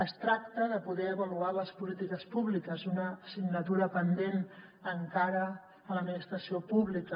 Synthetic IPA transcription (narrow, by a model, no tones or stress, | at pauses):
əst̪ɾak̚t̪əðəpuðɛəβəlualəspulit̪ikəspuβlikəzunəsiɡnət̪uɾəpənd̪en | əŋkaɾə | ələd̪minist̪ɾəsiopuβlikə